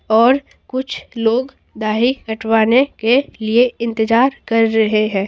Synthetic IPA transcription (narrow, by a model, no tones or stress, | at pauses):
ɔːɾ | kʊt͡ʃʰloːɡ | d̪aːɦikɐʈʰwaːnekelieɪ̃nt̪ɪzaːɾkɐɾːɐɦeɦɛ̃ː